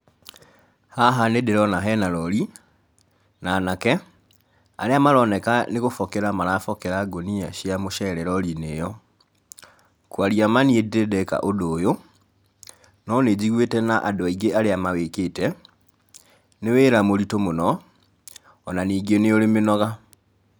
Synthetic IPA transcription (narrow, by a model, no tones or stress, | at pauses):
haɦanedeɾɔnaɦɛnalɔɾi | nanakɛ | a̰ɾeamaɾɔnɛkaneɣofɔkeɾamalafɔkɛɾaɡoniaʃiamoʃɛɾɛɾɔlinejɔ | kwaɾiamaniededɛka̰ʔodoːjo | nɔned͡ʑiɣwetɛnaʔadɔiɡeʔaɾeamaweketɛ | neweːɾamoɾitomonɔ | ɔnaniːɡeneolemenɔɣa